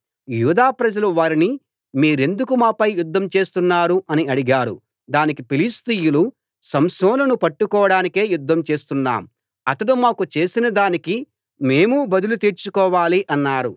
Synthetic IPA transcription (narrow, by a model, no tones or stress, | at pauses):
juːd̪aːpɾɐd͡ʒɐluʋaːɾini | miːɾe̞nd̪ukumaːpɐjjud̪ʱːɐmt͡ʃe̞ːst̪unːaːɾuʔɐniɐɽiɡaːɾṵ | d̪aːnikipilist̪ijulu | sɐmsɔːnɐnupɐʈːukɔːɐɽaːnike̞ːjud̪ʱːɐmt͡ʃe̞ːst̪unːa̰ːm | ɐt̪ɐɽumaːkut͡ʃe̞ːsinɐd̪aːniki | me̞ːmubɐd̪ulut̪iːɾt͡ʃukɔːʋaːliʔɐnːaːɾṵ